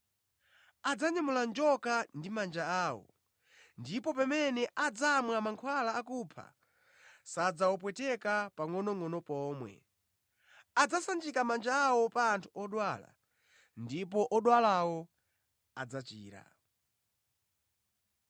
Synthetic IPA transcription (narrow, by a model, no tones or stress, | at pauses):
ad͡zaɲamuland͡ʒɔkandimand͡ʒaaːwɔ̰ | ndipɔpɛmɛnɛʔad͡zamwamaŋkʰwalaːkupʰa̰ | sad͡zawɔpwɛtɛkapaŋɔnɔŋɔnɔpɔːmwɛ̰ | ad͡zasand͡ʒikamand͡ʒaːwɔpaːntʰuɔɗwala̰ | ndip̬ɔʔɔɗwalawɔ | ad͡zat͡ʃḭːɾa̰